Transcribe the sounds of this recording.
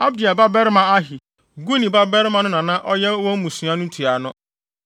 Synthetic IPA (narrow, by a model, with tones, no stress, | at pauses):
a˦bdi˨a˨ba˦bɛ˦ɾmã˨a˦ɦi˨ | ɡu˦nĩ˨ba˦bɛ˦ɾmã˨nʊ̃˦nã˨nã˦ʔɔ˦jɛ˦wɔ̃˦m̩˦mũ˨sũ˨˦ã˦nʊ̃˦tʰu˨a˨nʊ̃˦